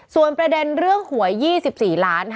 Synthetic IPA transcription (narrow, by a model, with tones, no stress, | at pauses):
su˨˩ənpɾa˧de˧nɾɯ˥˩əŋhu˨˩˦ɐjiː˥˩si˨˩p̚siː˨˩laː˦˥n